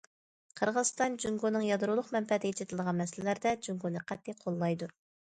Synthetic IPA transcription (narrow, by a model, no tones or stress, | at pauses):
qʰəɾʁəz̥st̪ɑnd͡ʒyŋɡonɨŋjɑd̪ɾulˠʊχmɛmfɛt̪ʰɪet͡ʃɪt̪ʰɪlˠd̪əʁɑnmɛsɪllæɾd̪ɛd͡ʒyŋɡonɨqʰɛt̪ːiqʰolˠːɑjd̪u